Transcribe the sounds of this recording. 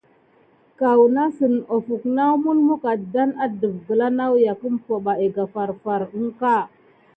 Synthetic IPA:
ka˨wna˦sə˨no˨fu˨kna˦wmu˦nmu˦ka˨da˦na˦də˨vɡə˨la˦na˦wja˨kə˦mpo˨ɓa˨e˨ɡa˨fa˨ɾfa˨ɾə˦ŋka˦˨

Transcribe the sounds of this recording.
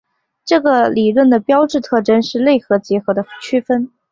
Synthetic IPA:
ʈ͡ʂɤ˥˩ɡə˩li˨˩ɻwə˥˩nd̪ə˩pjɑ˥ʊʈ͡ʂɻ̩˥˧t̪ʰɤ˥˩ʈ͡ʂə˥nʂɻ̩˥˧le˥˩ɪxɤ˧˥t͡ɕjɛ˧˥xɤ˧˥d̪ə˧t͡ɕʰy˥fə˥n

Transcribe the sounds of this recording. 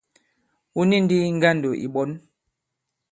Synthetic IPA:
u˦ni˦n˦di˦ŋ̩˦ɡa˦ndo˨ʔḭ˨ɓɔ˨˦n

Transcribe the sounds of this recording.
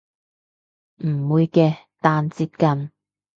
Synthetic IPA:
m̩˨˩wuː˨˧jkɛː˧ | t̪aː˧nt͡siː˧t̚kɐ˧n

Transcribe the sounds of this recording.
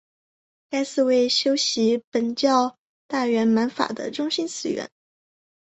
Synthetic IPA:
ka˥ɪsɹ̩˥˧we˥˩ɪɕjo˥ʊɕi˧˥pə˨˩nt͡ɕjɑ˥˧ʊ | t̪a˥˩ɥɛ˧˥nma˧˥nfa̰˨˩d̪ə̰˦ʈ͡ʂʊ˥ŋɕi˥nt͡sʰɹ̩˧˥ɥɛ̰˧˥˦n

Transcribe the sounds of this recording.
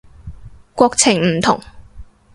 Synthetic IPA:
kʷɔː˧k̚t͡sʰɪ˨˩ŋm̩˨˩t̪ʰʊ̰˨˩ŋ

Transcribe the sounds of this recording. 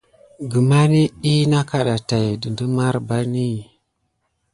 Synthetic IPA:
ɡə˨ma˦ni˦i˦na˦ka˨ɗa˨ta˨jdə˨ndə˦ma˦ɾba˦ni˦

